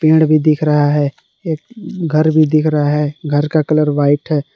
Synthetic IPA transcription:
pẽːɽbʱid̪ɪkʰɾɐɦaɦɛː | eːk̚ɡʱəɾbʱid̪ɪkʰɾɐɦaɦɛːɡʱəɾkakələɾʋaːɪʈɦɛː

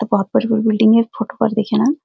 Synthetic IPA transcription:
t̪obɔɦɔt̪̚bɐɾbuɾbɪlɖɪ̃ŋɡefoːʈo̥pɐ̰ɾd̪eːkʰenaː

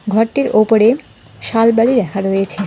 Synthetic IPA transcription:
ɡʱɔɾʈiɾʔopoɾe | ʃalbaliɾɛkʰaɾojet͡ɕʰe

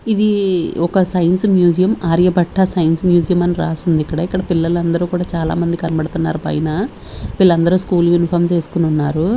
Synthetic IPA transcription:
id̪iɔkɐsɐjɐnsmjuːd͡ʒijɐmaːɾjɐbɐʈʰːɐsɐjɐnsmjuːd͡ʒijɐmɐniɾaːsund̪ikːɐɽɐikːɐɽɐpilːɐlɐnd̪ɐɾuːkuːɽaːt͡ʃaːla̰ːmɐnd̪ikɐnɐbɐɽt̪unːa̰ːɾupɐ̰jɐnɐ | pilːɐnd̪ɐɾuːskuːljunipʰɐːɾmt͡ʃe̞ːsu̥kununːaːɾu

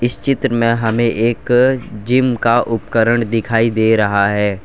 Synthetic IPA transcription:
ɪst͡ʃɪt̪ɾəmẽɦɐmẽʔeːkd͡ʒɪmkaʔʊpkəɾəɳ̃d̪ɪkʰaːid̪eːɾɐɦaɦɛː

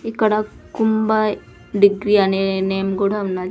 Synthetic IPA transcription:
ikəɽakːumbaj | ɖiɡɾianenemɡoɽaʋna

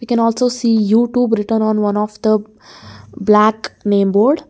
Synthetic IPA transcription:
ʋiːkɛ̃nɔːlsoːsiːjuːʈjuːbɾɪʈəɾnɔ̃ːnʋʌ̃nɔfd̪ə | blæknẽːmboːɾɖ

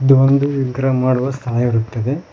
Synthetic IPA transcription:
id̪uond̪uʋiɡɾɐmaːɽuʋɐst̪ʰaːjɐʋɐɾut̪ːɐd̪e

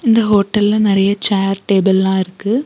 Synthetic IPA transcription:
ɪnd̪ɐɦoːʈːɐlɪlɐnɪɾɐjɐt͡ʃaːɾʈeːbɪllãːɪɾɯkːɯ

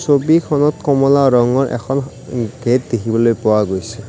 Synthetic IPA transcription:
sobikʰɔnɔt̪kɔmɔlaɹɔŋɔɹʔɛ̰kʰɔn | ɡ̥ʱet̚dekʰibɔlojpʊwaɡojsɛ

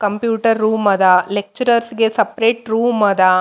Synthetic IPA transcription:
kɐmpjuːʈɐɾːuːmɐd̪ɐlek̚t͡ʃɐɾɐɾsɡe̞sɐpɾeːʈɾuːmɐd̪ɐ

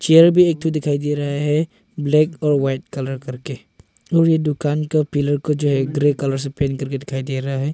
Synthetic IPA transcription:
t͡ʃiəɾbiɛk̚t̪udikʰajdiɾaɦɛ | blɛk̚ɔɾwajt̚kaləɾkəɾke | uɾjədukankəpiləɾkod͡ʒuɦɛɡɾekaləɾs̬əpɛnkəɾkedikʰajdiɾaɦɛ

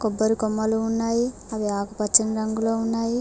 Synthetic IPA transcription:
kobːɐɾikomːɐluunːaji | ɐbiaːkupɐt͡ʃːinɾɐŋɡulounːaji

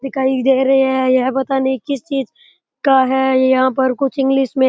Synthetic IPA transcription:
d̪ɪkʰaːid̪eːɾɐɦiɦɛjɛɦpɐt̪anikɪst͡ʃiːz | kaɦɛjɐɦãpɐɾkʊt͡ʃʰɪ̃ŋɡlɪʃmẽ

